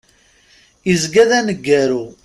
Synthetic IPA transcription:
izɡæðænəɡːæɾu

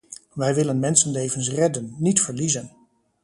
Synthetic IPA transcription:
ʋɛjʋɪlənmɛnsənlejvəns̬rɛdənːitfəɹlizən

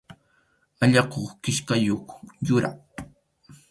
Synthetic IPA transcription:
aʎɑqoχkɪʃkajoχjʊɾa̰

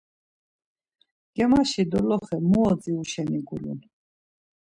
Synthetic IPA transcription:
ɡ̥ɛmaʃid̪ɔlɔχɛmuɔd͡ziuʃɛniɡulṵn

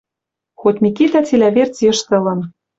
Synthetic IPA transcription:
xot̪ʲmʲikit̪æt͡silʲæβert͡sjə̆ʃt̪ɤ̆lɤ̆n

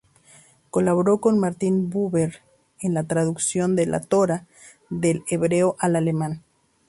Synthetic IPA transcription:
ko̞laβoɾo̞ko̞nmaɾt̪inbuβeɾ | enlat̪ɾaðuksjo̞nd̪e̞lʔa̰t̪o̞ɾa | ðe̞leβɾe̞oʔalale̞mãn

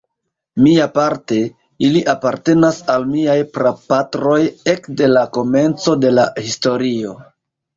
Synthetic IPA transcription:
miapaɾte̞ | iliʔapaɾte̞nasalmiajpɾapatɾo̞je̞kde̞lako̞me̞nt͡so̞de̞lahisto̞ɾio̞

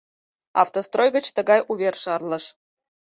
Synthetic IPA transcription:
ɑ̰ft̪ost̪rojɣə̆t͡ɕt̪ə̆ɡɑjʔuvʲerʃɑrlˠɤ̆ʃ

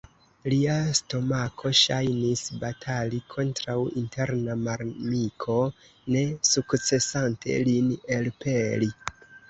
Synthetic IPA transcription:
liasto̞makʰo̞ʃajnisbatʰalikʰo̞ntɾawintʰe̞ɾnamaɾmikʰo̞ | ne̞sukt͡se̞santʰe̞̰linelpe̞li

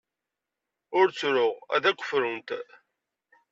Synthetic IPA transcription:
ʊɾt͡sːɾʊʁæ̰ðækʷːə̥fɾʊnt̪

